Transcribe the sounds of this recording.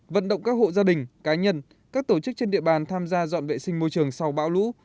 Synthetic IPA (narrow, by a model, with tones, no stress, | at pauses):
və̰˧˨nɗə̰˧˨wŋ͡mkaː˦˥k̚ho̰˧˨zaː˧ɗï˨˩ŋ̟kaː˨˦ɲə˧n | kaː˦˥k̚t̪o˧˩t͡ɕɨ˦˥k̚t͡ɕe˧nɗḭ˧˨əɓaː˨˩nt̪ʰaː˧mzaː˧zwa̰ː˧˨nvḛ˧˨sï˧ŋ̟mo˧jt͡ɕɨ˨˩əŋsa˧wɓa̰ː˧˥wlṵ˧˥